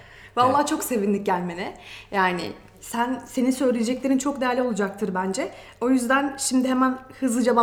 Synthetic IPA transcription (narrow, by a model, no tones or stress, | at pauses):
valˠːaht͡ʃʰo̞kse̞vinlʲic̚ɟælʲme̞nɛjaːnɪ̰ | sænse̞nisø̞jlʲejed͡ʒɛclʲe̞ɾint͡ʃʰo̞kd̪ejæɾlʲio̞lˠad͡ʒak̚t̪ʰɯɾbænd͡ʒɛ | o̞jyzd̪ænʃimd̪ɪhemænhɯzlˠɯd͡ʒeva